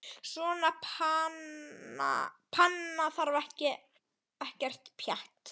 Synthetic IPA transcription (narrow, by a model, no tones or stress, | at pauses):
svɔnapʰana̰pʰanːaθaɾvaɛhcɪ | ɛhcɛr̥t̪pʰjaht̪